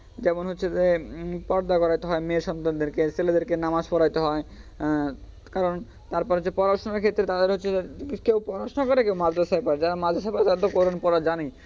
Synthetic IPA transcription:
d͡ʑɛmonɦotːʰed͡ʑepɔɾd̪akɔɾajt̪eɦɔemeʃɔnt̪ad̪eɾkeseled̪eɾkenamaʃpɔɾajt̪eɦɔe | kaɾon | t̪aɾpɔɾɦotːʰepɔɾaɾʃoneɾkʰet̪ːɾet̪ad̪eɾɦot̪ːɕʰeekewpɔɾaɾʃonokɔɾekewmad͡ʑasapaɾed͡ʑaɾamad͡ʑʱasʰapaɾet̪aɾat̪okoɾonpɔɾad͡ʑani

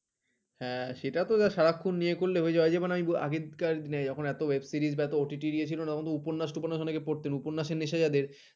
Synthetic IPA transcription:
hɛ̃ʃeʈat̪od͡ʑaʃaɾakʰːunːijekoɾleɦoed͡ʑaoad͡ʑabenaamiboa̰ɡed̪kaɾd̪nɛjd͡ʑɔkʰonɛt̪owebsiɾizbɛt̪ooʈiʈiɾiet͡ɕʰilonatɔkʰont̪oupoɾnːaʃʈupanːaʃɔnekepoɾt̪enuponːaʃeɾniʃad͡ʑad̪eɾ

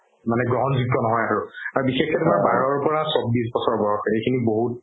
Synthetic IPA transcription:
manɛɡɹɔɦɔnzuk̚tɔnɔɦɔjaɹʊaɹubixexɛtʊmaɹbaɹɔɹpɔɹasɔb̚bis̬bɔsɔɹbɔɹɔkejkʰiniboɦut̚

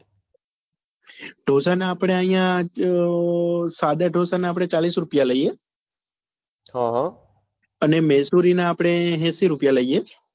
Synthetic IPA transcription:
ɖ̥ʱosanaːpɽ̃eəjã | sad̪aɖʱosanaːpɽ̃et͡ʃalisɾʊpjaləije | ɦaɦ | ənemɛsuɾinaːpɽ̃eɦɛ̃siɾupjaləie

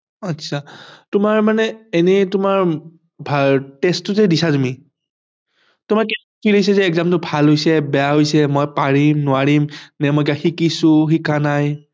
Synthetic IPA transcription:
atːsʰatʊmaɹmanɛenɛtʊmaɹ | bʱatɛstʊzɛdisatumi | tʊmaɹkɛs | pʰilojs̬ɛzɛːkzamtʊbʱalɦojsɛbɛjaɦojsɛmojpaɹimnʊaɹimnɛmɔjkaxikisʊxikanaj

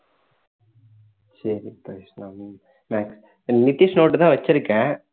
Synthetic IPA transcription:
sɐɾipɐsna | maːks | nɪt̪ːiʂnoːʈːɯt̪ãːʋɐt͡ɕːɪɾɯkːɛ̃

